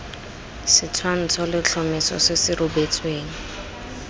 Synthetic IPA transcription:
sɪt͡sʰwan̩t͡sʰɔlɪt͡ɬʰɔmɪsɔ̰sɪsɪɾʊbet͡sʰʼweːŋ̩

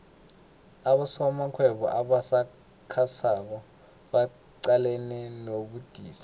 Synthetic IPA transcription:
aɓasɔmakʰwɛɓɔ̰ʔaɓasa | kʰasak̬ɔ | ɓa | ǀalɛnɛnoɓud̥ʱiːsi̥

